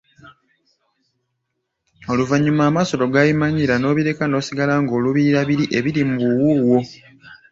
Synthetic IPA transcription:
o̞luvaɲːumaːmaso̞ɾo̞ɡajimaɲiɾano̞ːβiɾe̞kano̞ːsiɡalaŋɡo̞ːluβiɾaβiɾiʔe̞βiɾimubuwuwo̞

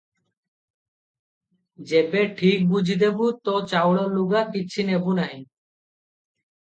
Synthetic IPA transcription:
d͡ʒebeʈʰik̚bud͡ʑʱid̪ebut̪ɔt͡ʃawɽaluɡakit͡ɕʰinebunaɦĩ

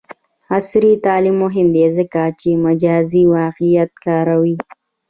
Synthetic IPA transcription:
asɾit̪ɑːlimːoɦɪnd̪ezəkat͡ʃemad͡ʒɑːziwɑqɪjat̪̚kɑːɾawi

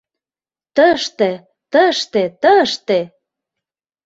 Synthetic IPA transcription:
t̪əʃt̪ĕ | t̪əʃt̪et̪əʃt̪e

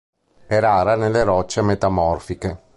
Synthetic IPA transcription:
ɛɾaːɾanelːeɾɔt͡ʃːemet̪amɔrfike

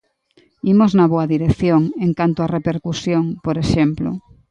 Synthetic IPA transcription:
imoznaβoaðiɾekθjoŋeŋkant̪oarepeɾkusjoŋpoɾeʃemplo̰

